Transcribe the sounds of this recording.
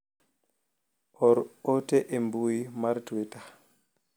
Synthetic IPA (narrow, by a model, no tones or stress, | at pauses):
ʔɔɾɔtɛʔɛmbuimaɾtwɛta